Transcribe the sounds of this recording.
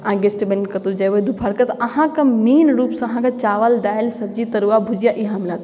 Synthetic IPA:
ãːɡesʈbenkɐt̪ud͡ʒɐʋoed̪upʰaɾkɐt̪ʔɐɦãkɐmiːnɾuːpsãɐɦãkat͡ʃaːʋəld̪aːɪlsɐb̚d͡ʒit̪ɐɾuabʱud͡ʒijaʔiɦaːmɪlaːt̪

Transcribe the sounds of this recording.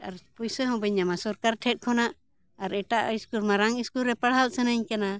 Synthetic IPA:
aɾpujsəɦɔ̃bɛɲamasɔɾkaɾʈʰɛt̪̚ˀkʰɔnaʔ | aɾɛʈaʔiskuɾmaɾaŋiskulɾɛpəɽɦalʔsənəɲkana

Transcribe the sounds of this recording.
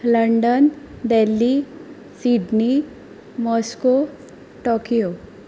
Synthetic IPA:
ləɳɖənd̪elːi | siɖni | mɔsko | ʈokijo

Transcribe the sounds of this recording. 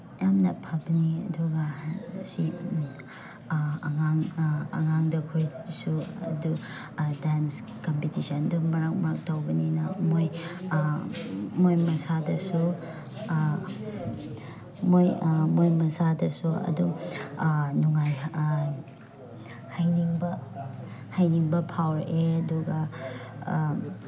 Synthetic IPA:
jamnɐpʰabɐniɐ̰duɡasi | ŋaŋɐŋaŋdɐkʰojsuɐ̰du | dans | kompitisɐndumɐɾak̚mɐɾak̚tawbɐninɐmoj | mojmɐsadɐsu | mojmojmɐsadɐsuɐ̰du | nuŋaj | hajniŋbɐ | hajniŋbɐpʰawɾʔeɐduɡɐ

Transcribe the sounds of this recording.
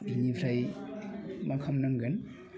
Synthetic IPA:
binibʰɾaj | makʰɐmnaŋɡɯn

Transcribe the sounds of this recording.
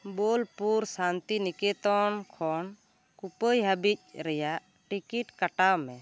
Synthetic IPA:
bolpuɾsant̪inikɛt̪ɔnkʰɔn | kupəjɦəbic̚ˀɾɛjaʔ | ʈikiʈkaʈawmɛ

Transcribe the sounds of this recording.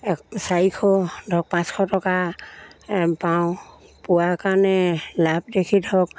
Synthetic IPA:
saikʰɔdʱɔk̚pãskʰɔtɔka | paw | pʊwakanɛlap̚dekʰidʱɔk

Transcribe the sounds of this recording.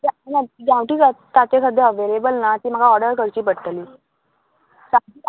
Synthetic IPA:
anaɡãwʈiːt͡sat̪ːat͡ɕekʰəd̪ʱːeəʋelebəlnat̪iːm̤əɡaɔɾɽəɾkəɾt͡ɕiːpəɽt̪liː | sai

